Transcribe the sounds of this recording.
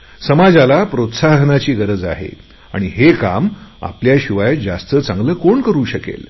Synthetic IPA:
səmad͡zalapɾot̪saɦnat͡ɕiːɡəɾəd͡zaɦḛ | a̰ɽ̃iɦeka̰ma̰pljaɕiʋajd͡zast̪ət͡sãŋɡləːkoɳkəɾuːɕəkḛl

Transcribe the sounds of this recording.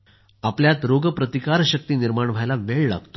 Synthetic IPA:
apljat̪ɾoɡəpɾət̪ikaɾɕək̚t̪iːniɾmaɳʋʱajlaʋeɭla̰ɡt̪o

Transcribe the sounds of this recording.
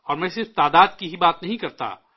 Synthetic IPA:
ɔːɾmɛ̃ːsɪɾft̪aːd̪aːd̪kiɦibaːt̪nɐɦĩkɐɾt̪a̰

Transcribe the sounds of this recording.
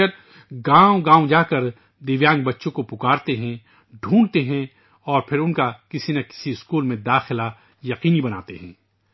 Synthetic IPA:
ɐɾ | ɡãːõɡãːõd͡ʒaːkɐɾ | d̪eːʋjãːŋɡ̚bɐtːʃõkopʊkaːɾt̪eɦɛ̃ | ɖʱũːɳt̪eɦɛ̃ | ɔːɾpʰɪɾʊnkakɪsinɐkɪ̥siɪskuːlmẽd̪aːxɪla | jɐqiːnibɐna̰ːt̪eɦɛ̃ː

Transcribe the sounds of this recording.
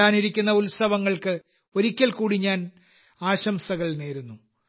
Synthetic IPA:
aːniɾikʲːunːɐulsɐʋɐŋːɐɭkɨ | o̞ɾikʲːɐlkuːɽiɲaːn | aːɕɐmsɐɣɐɭne̞ːɾunːu

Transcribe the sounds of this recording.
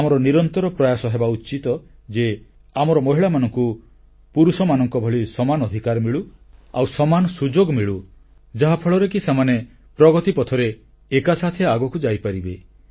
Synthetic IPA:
amɔɾɔniɾɔnt̪ɔɾɔpɾɔjasɔɦebaut͡ʃit̪ɔd͡ʒe | amɔɾɔmɔɦiɭamanɔŋku | puɾusɔmanɔŋkɔbʱɔɭisɔmanɔd̪ʱikaɾmiɭua̰wsɔmanɔsud͡ʒoɡmiɭu | d͡ʒaɦapʰɔɭɔɾekisemane | pɾɔɡɔt̪ipɔt̪ʰɔɾeː | kasat̪ʰeaɡɔkud͡ʒajpaɾibe

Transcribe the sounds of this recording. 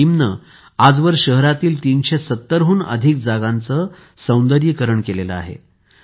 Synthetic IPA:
imnə | ad͡zʋəɾɕəɦɾat̪iːlt̪inɕesət̪ːəɾɦuːnə̰d̪ʱik̚d͡zaɡant͡sə | sə̃w̃nd̪əɾjəkəɾəɳkelelə̰a̰ɦḛ

